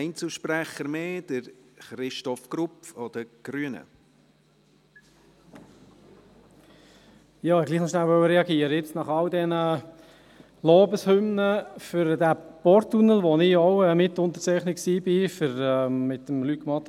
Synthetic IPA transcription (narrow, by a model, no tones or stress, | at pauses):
ɪnt͡sl̩ʃpɾæχəɾmeːd̥əɾχɾɪʃtɔfɡ̥ɾʊpfɔd̥̪əɡ̥ɾyənə̰ | jɑːɛɡliːχnɔʃnælʋœwəɾɛɑɡiːəɾəɪt͡snɑχɑldɛnə | loːbəshʏmnəfʏɾdæpɔɾt̪ːunəlʋonɪɔwɛmɪt̪ʊnt̪ə̥t͡sæɪχnɪksiːbɪfʏɾɛmɪt̪əmlykmɑt̪